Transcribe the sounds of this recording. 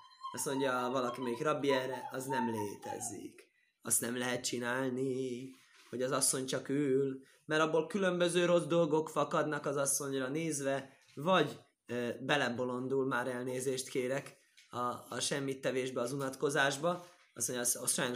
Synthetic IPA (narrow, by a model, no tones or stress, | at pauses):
ɒsmo̞ɲɟɒvɒlɒkimeːɡrɒbːiɛrɛɒznɛmleːt̪ɛ̰zḭk | ɒ̰st̪nɛmlɛɦɛt̪̚t͡ʃinaːlni | ho̞ɟɒzɒsːo̞ɲt͡ʃɒkyːl | mɛɾɒbːolkylømbø̞zøːɾo̞zd̪o̞lɡo̞kfɒkɒd̪nɒkɒzɒsːo̞ɲrɒneːzʋɛ | vɒɟ | bɛlɛbo̞lo̞nd̪ulmaːɾɛlneːzeːʃt̪keːɾɛk | ɒːʃɛmːit̪ːɛveːʒbɛɒzunɒt̪ko̞zaːʒbɒ | ɒsmo̞ɲɟsʃɔjano